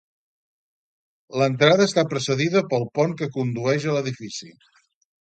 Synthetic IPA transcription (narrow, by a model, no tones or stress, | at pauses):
lənt̪ɾaðəːst̪apɾəsəðiðəpəlˠpɔŋkəkund̪uɛʒələðifisḭ